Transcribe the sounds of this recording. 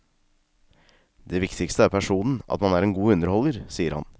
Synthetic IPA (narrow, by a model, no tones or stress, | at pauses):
d̪eːʋɪkt̪ɪkst̪əæːɾpʰæʂuːnn̩ɑ̰t̪mɑnæːɾɛːnɡuːʉnəɾhɔlːəɾsiːəɾhɑ̰n